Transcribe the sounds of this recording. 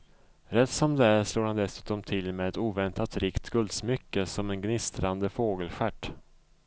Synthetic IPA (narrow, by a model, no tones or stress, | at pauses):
ɾɛt̪ːsɔmd̪ɛæɾʂloːɾhand̪ɛsʉ̟ːt̪ɔmt̪ʰɪlmɛɛt̪uːvɛnt̪at̪ɾɪkt̪ɡɵld̪smʏkːəsɔmɛnɡnɪst̪ɾand̪əfoːɡəlɧæʈː